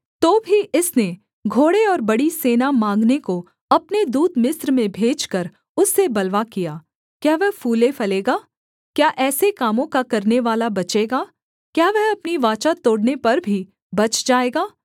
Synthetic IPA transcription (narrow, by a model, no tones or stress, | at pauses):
t̪oːbʱiʔɪsne | ɡʱoːɽeɔːɾbɐɽiseːnamãːŋɡneko | ɐpned̪uːd̪mɪsɾmẽbʱeːd͡ʒkɐɾ | ʊsːebɐlʋakijaː | kjaːʋɛɦfuːlefɐleːɡaː | kjaːʔɛːsekaːmõkakɐɾneʋaːlabɐt͡ʃeːɡaː | kjaːʋɛɦɐpniʋaːt͡ʃat̪oːɽnepɐɾbʱi | bɐt͡ʃd͡ʒaːeːɡaː